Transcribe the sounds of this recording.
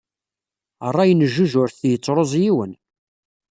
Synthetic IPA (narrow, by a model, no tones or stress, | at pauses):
ərˤːɑjənəʒːuʒʊɾθjət͡sːɾˤozˤjiwən